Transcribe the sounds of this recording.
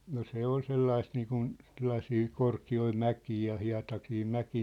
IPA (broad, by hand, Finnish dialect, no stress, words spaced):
no se ol selːɑist niːkun selːɑsiː korkioi mækiː jɑ hiɑ̝tɑsiː mækiː